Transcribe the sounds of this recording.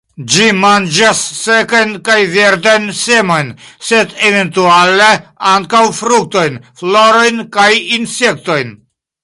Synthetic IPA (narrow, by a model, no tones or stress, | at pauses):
d͡ʒimand͡ʒasːekajnkajveɾd̪ajnsemo̞jnsed̪eve̞nt̪ualeaŋkawfɾuk̚t̪o̞jnfloɾo̞jnkajinse̞k̚t̪o̞jn